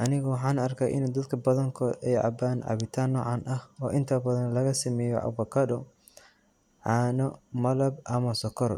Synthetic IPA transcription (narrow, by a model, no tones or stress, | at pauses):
ʔɐnɪɣɔwɑħɑːnɐrkʰɐːʔɪ̰nːd̪ɐd̪kʰɐbɐðɐŋkʰɔʔɛjʕɑ̰baːnʕɑ̰βɪt̪ʰaːnːɔːʕɑnʔɐhɔːʔɪnt̪ʰɐbɐðɐnlɐɣɐsɐmɛːjɔ̰ʕɑ̰bɐkʰɐdɔ | ʕɑːnɔmɐlɐbʔɐmɐsɔkʰɔr